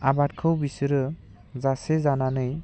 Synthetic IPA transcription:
abat̚kʰɯwbisɯɾɯ | zasezananɯj

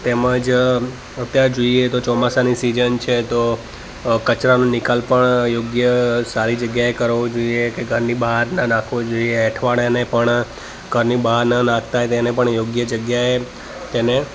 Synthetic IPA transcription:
t̪eməd͡ʒ | ət̪jaɾd͡ʒoiet̪ot͡ʃɔmasanisid͡ʒənt͡ʃʰet̪o | kət͡ʃɾanũnɪkalpəɳjoɡjəsaɾid͡ʒəɡjaekəɾʋod͡ʒoiekeɡʱəɾnibəɦaɾnənãkʰʋod͡ʒoieːʈʰʋaɽanepəɳ | ɡʱəɾnibəɦaɾnənãk̚ʰt̪aɦet̪enepəɳjoɡjəd͡ʒəɡjae | t̪ene

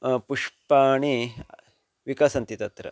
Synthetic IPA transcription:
puʂpaːɳi | ʋikasɐnt̪it̪ɐt̪ɾɐ̰

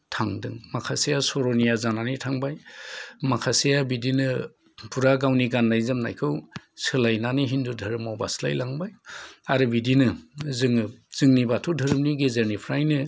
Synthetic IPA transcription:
tʰaŋdɯŋmakʰasejasɔɾɔnijazananitʰaŋbajmakʰasijabidinɯ | puɾaɡawniɡanlajzɯmna̰jkʰɯwsɯlajnaniɦindudʱɯɾɯmawba̰sla̰jlaŋbajaɾɯbidinɯzɯŋɯz̥ɯŋnibatʰudʱɯɾɯm̚niɡezeɾnipʰɾajnɯ

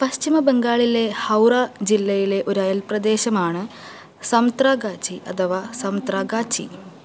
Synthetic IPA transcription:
pɐɕt͡ɕimɐbeŋɡaːɭile̞hɐwrɐd͡ʑilːɐjile̞ʔo̞ɾɐjɐlprɐd̪e̞ːɕɐmaːɳɨ | sɐmt̪raːɡaːt͡ɕʰiʔɐ̰t̪ʰɐʋaːsɐmt̪raːɡaːt͡ɕʰḭ

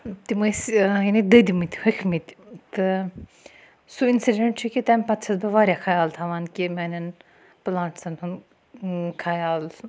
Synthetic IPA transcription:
t̪iməsjɐnid̪ɐd̪imit̪ʲhɐkʰmit̪ʲt̪ɨ | suinsiɖeɳʈt͡ʃʰikʲit̪ɐmʲpɐt̪t͡ʃʰɐsbɨʋaːɾʲjakʰajaːlt̪ʰaʋaːnkimʲaːnʲɐn | plaːɳʈsɐnʰun | kʰajaːl

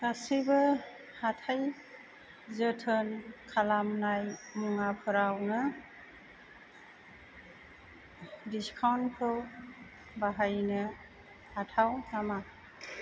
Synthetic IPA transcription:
kasibɯ | hatʰaj | zətʰənkʰalamnajmuŋapʰɯɾawnɯ | diskʰawnpʰɯw | baɦajnɯ | atʰawtʰama

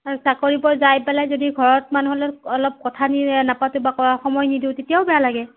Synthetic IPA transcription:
ausakoɹipɔɹzajpɛlajzodiɡʱɔɹɔt̚manuɦɔlɛɔlɔp̚kɔtʰaninapatʊbakɔɹaxɔmɔjnidiʊtetijaʊbɛjalaɡɛ

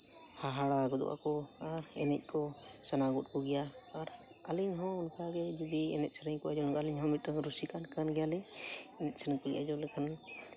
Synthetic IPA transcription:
haɦaɽaɡɔd̪ɔ̰wa̰kɔ | aɾɛnɛt̪̚ˀkʰɔ | sanaɡut̚puɡijaː | ɾ | aliŋɦɔ̃unsaɡɛd͡ʒɔd̪iɛ̰nɛt̪̚sʰənaŋkɔad͡ʒɔlɡaliŋɦɔmit̪̚ːaŋɾusikankanɡɛjalɛ | ɛnɛt̪̚sənpuɡija̰d͡ʒɔlɛkʰan

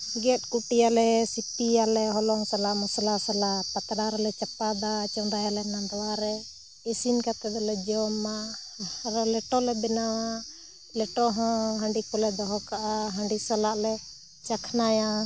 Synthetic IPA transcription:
ɡɛt̪̚ˀkuʈijalɛsipijalɛɦɔlɔɦɔsalaʔmɔsalasalapat̪ɽaɾɛlɛt͡ʃapad̪at͡ʃɔnd̪ajalɛnad̪ɔwaɾɛ | esinkat̪ɛd̪ɔlɛd͡ʒɔma | ɾalɛʈɔlɛbɛnawa | lɛʈɔɦɔ̃ɦaɳɖikɔlɛd̪ɔɦɔkaʔaɦaɳɖisalaʔlɛ | t͡ʃakʰnaja

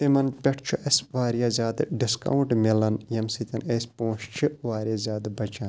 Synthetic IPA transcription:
t̪imɐnpʲeʈʰt͡ʃʰuʔɐsʲʋaːɾjaːzʲaːd̪ɖiskɐ̰wɳʈmilɐnjɐmsit̪ʲɐnesʲpõːt͡ʃt͡ʃʰiʋaːɾʲjaːzʲaːd̪bɐt͡ʃan

